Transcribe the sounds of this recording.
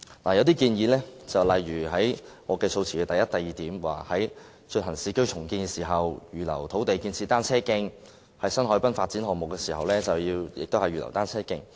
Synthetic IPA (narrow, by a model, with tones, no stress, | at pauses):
laː˨˩jɐ˨˧wt̪̬iː˥kiː˧njiː˨˧lɛː˥t͡sɐ˨wlɐ˨jɥyː˨˩ɦɐ˨˥jŋɔː˨˧kɛː˧so˧wt͡sʰiː˨˩y˨˧t̪jɐ˥t̚t̪ɐ˨jːiː˨t̪iː˨˥mwa̰ː˨hɐ˨˥j | t͡ʃɵ˧ɦɐ˨˩ŋsiː˧kɵ˥t͡sʰʊ˨˩ŋkiː˧nkɛ˧siː˨˩ɦɐ˨wjyː˨lɐ̰˨˩wt̪ʰo˨˥wt̪e˨jkiː˧nt͡sʰiː˧t̪aː˥nt͡sʰɛː˥kɪ˥˧ŋ | hɐ˨jsɐ˥nɦɔ˨˥jpɐ˥nfaː˧t̚t͡siː˨˥nɦɔː˨˩ŋmʊ˨˩kːɛː˧siː˨˩hɐ˨wlɛː˥t͡sɐ˨wjiː˧wjɪ̰˨k̚t̪o˥hɐ˨jyː˨lɐ̰˨˩wt̪aː˥nt͡sʰɛː˥kɪ˧ŋ